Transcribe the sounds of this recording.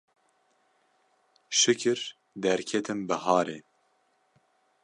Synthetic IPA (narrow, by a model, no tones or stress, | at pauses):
ʃɨkʰɨɾ | d̪ɛɾkʰɛt̪ʰɨmbɨhɑːɾeː